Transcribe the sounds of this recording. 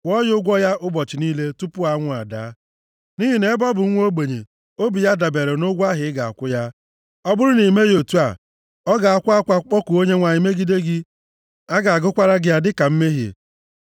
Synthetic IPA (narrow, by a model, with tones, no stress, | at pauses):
ɔ˦jʊ˦ʊ˦ɡʷɔ˦ja˦ʔʊ˦bɔ˨t͡ʃɪ˨niː˦le˦tu˦pʊ˦a˦ŋʷʊ˦a˨da̰˨˦ | ni˦ɦi˨ne˦bɔ˦bʊ˨ŋ̩ʷ˦o˦ɡ͡be˨ɲḛ˨ | o˦bi˨ja˦da˨be˨ɾe˨nʊ˦ɡʷa˦ɦɪ˨ɪ˦ɡa˨a̰˨kʷʊ˦ja˦ | ɔ˦bʊ˦ɾʊ˦ni˨me˦jo˨tu˦a˨ | ɔ˦ɡa˨a˨kʷʊ˦a˦kʷa˦k͡pɔ˦ku˨o˦ɲe˦ŋʷa˨ɲɪ˨me˦ɡi˦de˦ɡɪ˦ | a˦ɡa˨a˨ɡʊ˦kʷa˦ɾa˦ɡɪ˦ja˦dɪ˦ka˨m̩˦me˦ɦjḛ˨